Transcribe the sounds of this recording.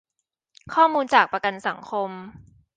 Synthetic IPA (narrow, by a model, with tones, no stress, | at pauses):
kʰɔː˥˩muː˧nt͡ɕaː˨˩k̚pɾa˧ka˧nsa˩˦ŋkʰo˧m